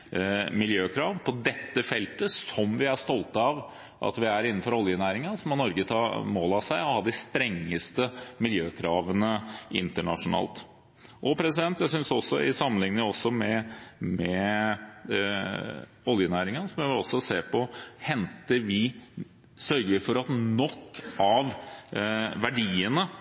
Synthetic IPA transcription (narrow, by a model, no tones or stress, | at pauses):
mɪljøːkʰɾɑːʋpʰɔd̪ɛt̪ːəfɛlt̪əsɔmʋɪæʂt̪ɔlt̪ɑʋ | ʔɑ̰t̪ʋɪæɾɪnːn̩fɔɾɔljənæːɾɪŋɑnsɔmːɔnɔɾɡət̪ʰɑːmoːlɑsæɪɔhɑd̪ɪst̪ɾɛŋːəst̪əmɪljøːkʰɾɑːʋənəɪ̰nt̪əɳɑ̰ʂʊnɑ̰ːlt̪ | ʔɔpʰɾɛsɪd̪ɛnt̪jæɪsʏnsɔsːɔ̰ɪ̰sɑmːənlɪŋnɪɔsːɔmɛmɛ | ɔljənæːɾɪŋənsɔmɪʋɪlɔsːɔseːɾpʰɔhɛnt̪əʋɪ | sœɾɡəʋɪfɔɾɑt̪nɔkːɑʋ | ʋæɖiːənə